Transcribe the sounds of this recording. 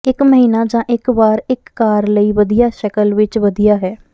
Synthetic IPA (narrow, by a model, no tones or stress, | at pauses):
ɪkməɦiːnaːd͡ʒãːʔɪkbaːɾɪkːaːɾləiːʋəd̪ijaːʃəkəlʋɪt͡ʃʋəd̪ijaːɦɛː